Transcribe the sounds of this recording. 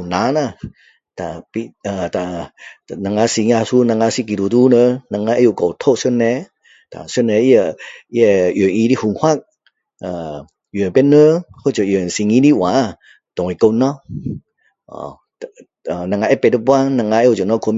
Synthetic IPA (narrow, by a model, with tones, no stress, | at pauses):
na˨˧˦na˧˨ | t̪a˨pi˧˦ə˨t̪a˨na˧ŋa˧˦si˧ŋa˧su˧˦na˧ŋa˧˦si˧ki˨du˨tu˧˦nə˧na˧ŋa˧ʔe˦jo˧˨kɔ˨wt̪ʰo˦ʔsə˧˦nɛ˧˦ | t̪a̰˨sə˧˥˨nɛ˧i˦jə˧˨i˦ɛ˧˨jə˨i˧di˦hu˧˨ŋhwa˦˨k̚ | ə˨ | jə˨pɛ˧˦nə˦ho˦˨t͡ʃə˨ʔjə˨ŋ˨si˧ŋi˧˦di˦wã˨˦ | t̪ɔ˨ŋi˨ko˧nɔ˦ | ɔ̰˨ | ə˨na˧˨ŋa˧ʔɛ˦˨pɛ˧˨tə˦pwa˧˦na˧˨ŋa˧ʔe˧˦jo˧˨ə˨nɔ˧˦kʰo˧m